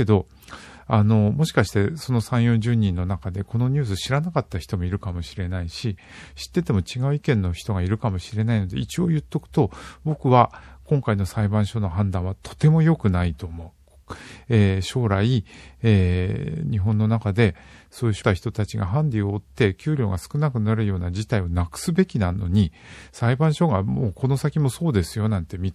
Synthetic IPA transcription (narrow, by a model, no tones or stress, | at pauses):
ed̪o̞ | ano̞mo̞ɕi̥kaɕi̥t̪e̞so̞no̞sãɰ̃jõ̞ɲʑɨːɲ̟ĩnːo̞nakad̪e̞ko̞no̞ɲ̟ɨːs̬ɨɕiɾanakat̪ːaçi̥t̪o̞mo̞iɾɯ̟kamo̞ɕiɾe̞naiɕi | ɕi̥t̪ːe̞t̪e̞mo̞t͡ɕiɡaɯ̟ikẽ̞nːo̞çi̥t̪o̞ɡaiɾɯ̟kamo̞ɕiɾe̞naino̞d̪e̞̰it͡ɕio̞ːjɯ̟t̪ːo̞kɯ̥t̪o̞bo̞kɯ̟βakõŋkaino̞saibãɰ̃ɕo̞no̞ɦãnd̪ãɰ̃βat̪ʰo̞̥t̪e̞mo̞jo̞kɯ̟nait̪o̞ːmo̞ɯ | eːɕo̞ːɾaieːɲ̟iɦõ̞nːo̞nakad̪e̞so̞ːjɯ̟ɕot̪açi̥t̪o̞t̪at͡ɕiɡa̰ɦãnɾʲioːt̪ːe̞kʲɨːɾʲo̞ːɡasɨ̥kɯ̟nakɯ̟naɾɯ̟jo̞ːnad͡ʑit̪aionakɯ̥sɨbe̞kʲinano̞̰ɲ̟isaibãɰ̃ɕo̞ɡamoːkʰo̞no̞sakʲimo̞so̞ːd̪e̞sɨjo̞nãnt̪e̞mʲit